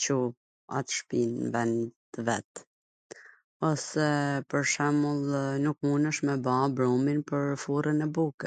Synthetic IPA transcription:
t͡ʃu | a̰t̪ʃpinvɛnt̪əvɛt̪ | ɔsɛpəɾʃɛmulˠnukmunəʃmɛbabɾuminpəɾfuɾənɛbukɛ

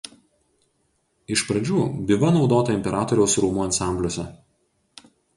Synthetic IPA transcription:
ɪʃpɾɐd͡ʒʲuːbʲɪʋɐnɒʊd̪oːt̪ɐɪmʲpʲɛɾɑːt̪ɔɾʲɛʊsɾuːmuːɐnsɑˑmʲbʲlʲoːsʲɛ

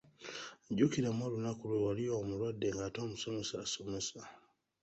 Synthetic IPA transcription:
ɟukiɾemolunakulwuwalijomulwadːe̞ŋɡaːtoːmuso̞me̞saːso̞me̞sa

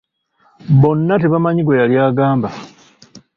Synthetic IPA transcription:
βo̞nːateβamaɲiɡojaljaːɡaːmba

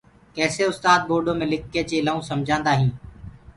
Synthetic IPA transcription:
kɛːseːʊst̪aːd̪̚boːɾɖõːmẽːlɪkːeːt͡ʃeːlaːũːsəmd͡ʒʱãːnd̪aːɦĩː

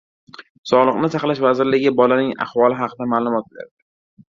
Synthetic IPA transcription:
sɒlˠɨqnɪsaχlaʃvazɪɾlɪɡʲɪbɒlanɪŋa̰χvɒlˠɪɦɑqʰɨd̪amaːlˠʊmɒt̪̚la̰ɾd̪ɪ

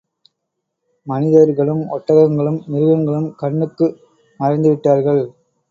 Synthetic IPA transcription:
mɐnɪðɐɾɣɐɭɯmɔʈːɐɣɐŋɡɐɭɯmːɪɾɯɣɐŋɡɐɭɯmkɐɳːɯkːɯ | mɐɾɐɪnd̪ɯʋɪʈːaːɾɣɐɭ

